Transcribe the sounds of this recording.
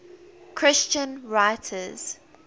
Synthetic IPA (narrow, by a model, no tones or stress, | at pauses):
kʰɹ̥ɪst͡ʃə̃nɹaɪtʰəz̥